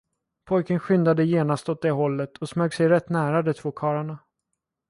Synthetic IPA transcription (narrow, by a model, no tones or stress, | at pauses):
pʰɔjkənɧʏnd̪ad̪əjeːnast̪ɔt̪̚d̪ɛɦɔlːət̪ʰɔsmøːɡsɛjɾɛt̪ːnæːɾad̪ɛt̪ʰv̥oːkʰɑːɾaɳa